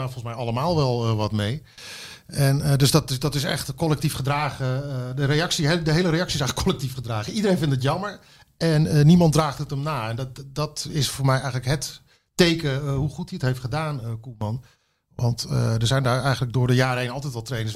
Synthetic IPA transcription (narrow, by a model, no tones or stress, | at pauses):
afɔlˠnsmɛjɑləmaːlˠʋɛlˠʋɑtmej | ɛndɵsdɑtɪdɑtɪsɛ̰χtkɔlɛk̚tifχədraːχədərejɑksidəɦejləɾejɑksiɪs̬ɛjxələkʰːɔlɛk̚tifχədraːχəidəɾejnvɪntət̬jɑməɹ | ɛnənimɑntdraːχtətəmnaːɛnddɑtɪsfʊːɹmɛjɛjχənləkɦɛtː | ejkəɦuχutdiətɦejftχədaːnəkumɑn | ʋɑntə̰dəɹzɛjndaːɹɛjχənləɡ̚dʊːɹdəjaːrəɦejnɑlˠtɛjtʋɑlˠtrejnə